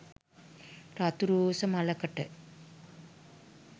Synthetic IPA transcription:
ɾat̪uɾuːsɐmalɐkɐʈːɐ

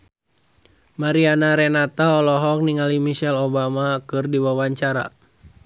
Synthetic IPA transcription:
maɾianaɾɛnat̪aɔlɔɦɔk̚niŋalimiʃɛlobamakɨrdiwawaɲt͡ʃaɾa̰

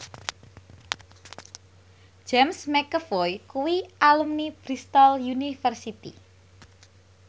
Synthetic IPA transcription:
d͡ʒɛmsmɛkəfɔjkuwiʔalumnib̥ɾist̪ɔljunifərsit̪ḭ

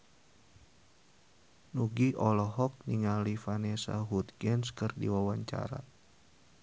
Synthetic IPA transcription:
nuɡiʔɔlɔɦɔk̚niŋalifanɛsa̰ɦut̪̚ɡɛnskɨrdḭwawaɲt͡ʃa̰ɾa̰

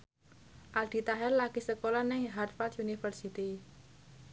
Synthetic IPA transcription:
ʔald̪̥i̤t̪aɦɛrlaɡ̥isəkolanɛŋɦart̪fat̪junifərsit̪i

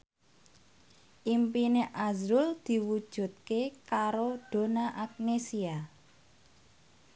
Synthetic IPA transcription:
ʔimpineʔazɾʊld̪̥i̤wud̥ʒ̥ṳt̪̚kekaɾoɖ̥o̤naʔak̚nesia

